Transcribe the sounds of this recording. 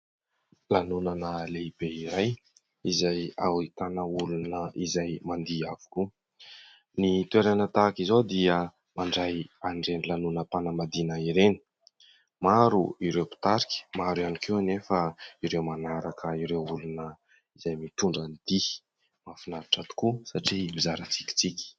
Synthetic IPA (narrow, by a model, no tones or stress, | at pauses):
lanunanəleib̥eiɾaj | izaja̰wit̪anəulunəʔizajmand̪iavu̥ku | nit̪ueɾanət̪akizod̪iə | maɳɖ͡ʐajaɳɖ͡ʐenilanunəpanəmad̪inəiɾeni̥ | maɾuiɾewpi̥t̪aɾikʲi̥maɾuanikʰewnefəiɾewmanaɾakʰəiɾewulunə | izajmit̪uɳɖ͡ʐanid̪i | mafinaɾiʈ͡ʂat̪u̥kusaʈ͡ʂimizaɾət͡si̥kʲi̥t͡sikʲi̥